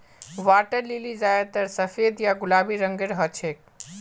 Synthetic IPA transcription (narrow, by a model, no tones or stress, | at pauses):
ʋaʈəɾlilid͡ʒaet̪əɾsəfʰed̪jaɡulabiɾəŋɡeɾɦət͡ʃʰek̚